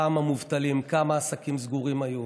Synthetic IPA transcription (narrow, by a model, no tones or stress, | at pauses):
amamuvt̪alimkamaːsakimzɡuʁimaju